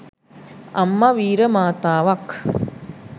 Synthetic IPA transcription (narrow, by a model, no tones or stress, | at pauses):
ɐ̰mːɐʋiːɾəmaːt̪aːʋɐk